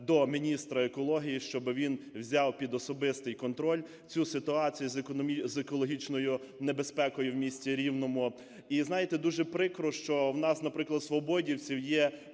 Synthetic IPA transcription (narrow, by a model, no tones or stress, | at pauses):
d̪ɔmʲinʲist̪ɾɐekɔlˠɔɦʲijiʃt͡ʃɔbɪʋʲinwzʲɑwpʲid̪ɔsɔbɪst̪ɪjkɔnt̪ɾɔlʲ | t͡sʲusɪt̪ʊɑt͡sʲijuzk̪ʲizekɔlˠɔɦʲit͡ʃnɔjʊ | nebespɛkɔjʊwmʲisʲtʲiɾʲiwnɔmʊ | iznɑjet̪ɛd̪uʒɛpɾɪkɾɔʃt͡ʃɔwnɑsnɐpɾɪklˠɐd̪sʋɔbɔdʲiwt͡sʲiwjɛ